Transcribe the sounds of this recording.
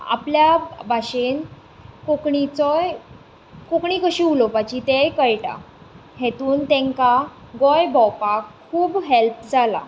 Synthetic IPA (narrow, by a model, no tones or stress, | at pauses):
a̰pljabʱaɕen | kokɳit͡sɔj | kokɳiːkəɕiːulopat͡ɕit̪ejkəjʈa̰ | ɦet̪uːnt̪ẽŋka | ɡɔjbʱɔwpakkʰːuːbɦelpd͡zala̰